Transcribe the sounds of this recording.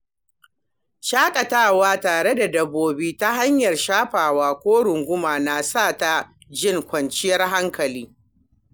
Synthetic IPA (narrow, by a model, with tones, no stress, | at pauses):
ʃaː˦kʼɐ˨taː˦waː˦taː˨ɽe˦da˨dɐ˨bːoː˦biː˦ta˦ɦa˦ɲjɐ˨rʃaː˦ɸaː˨waː˦kʷoː˦ɽʊ˨ŋɡʷʊ˦maː˨na˨sa˦˨ta˦ | d͡ʒɪ˦ŋkʷɐ˨nt͡ʃɪ˦jɐ˦rɦa˦ŋkɐ˨liː˦